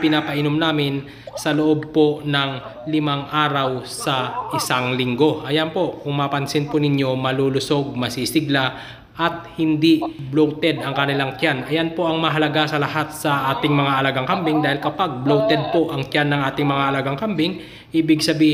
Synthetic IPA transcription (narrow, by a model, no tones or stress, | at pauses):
pɪnaːpɐʔɪnomnaːmɪn | sɐloʔob̚po̞nɐŋ | lɪmaŋʔaːɾɐwsɐʔɪsaŋlɪŋɡo̞ʔɐjanpo̞kʊŋmaːpɐnsɪnpʊnɪɲjo̞mɐluːlʊso̞ɡ̚mɐsisɪɡla | ʔɐt̪̚hɪnd̪iblowt̪ɛd̪ɐŋkɐnɪlaŋt͡ʃanʔɐjanpo̞ʔɐŋmɐɦɐlɐɡasɐlɐhat̪̚sɐʔaːt̪ɪŋmɐŋaʔɐlaɡaŋkɐmbɪŋd̪aːhɪlkɐpaɡ̚blowt̪ɛd̪̚po̞ʔɐŋt͡ʃanːɐŋʔaːt̪ɪŋmɐŋaʔɐlaɡaŋkɐmbɪŋ | ʔiːbɪɡsɐbiː